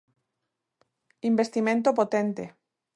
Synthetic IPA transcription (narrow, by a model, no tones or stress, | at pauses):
imbest̪imẽnt̪opot̪ẽnt̪ḛ